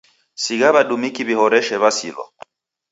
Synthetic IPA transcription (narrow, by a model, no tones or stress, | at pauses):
siɣaβaɗumikiβihɔɾɛʃɛβasḭlɔ̰